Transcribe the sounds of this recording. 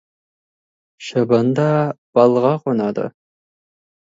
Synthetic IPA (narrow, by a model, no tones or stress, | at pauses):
ʃɐbɐnd̪ɑb̥ɑlˠʁɑqʷonɑd̪ɐ̰